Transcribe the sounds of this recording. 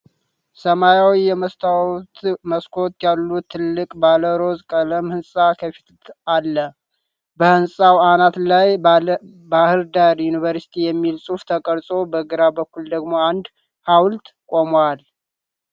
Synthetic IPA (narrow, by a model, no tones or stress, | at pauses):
səmajawijɛməst̪ʰat̪məskʰo̞t̪jalːut̪ʰːɨlːɨkʼbaləɾo̞zkʼələmhɨnsʼakʰəfi̥t̪ʰt̪alːə | bəhɨnsʼawanat̪laj | bahɨɾd̪aɾjunivəɾsi̥t̪ʰijɛmːilsʼuft̪ʰəkʼəɾsʼobəɡɨɾabəkːuld̪əɡmo̞and̪ | hawlt̪kʼomwal